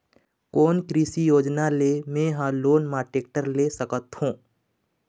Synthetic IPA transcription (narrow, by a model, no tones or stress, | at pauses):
koːnkɾiːsijoːd͡ʒnaleːmẽɦaːloːnmaːʈeːk̚ʈəɾlesəkət̪hũː